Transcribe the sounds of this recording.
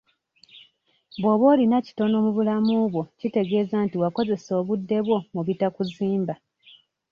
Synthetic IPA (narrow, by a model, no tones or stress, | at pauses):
boβo̞ːlinaci̥to̞no̞ːmuβulamuːβwo̞cite̞ɡe̞ːzantiwako̞ze̞so̞ːβudːe̞βwo̞muβitakuziːmba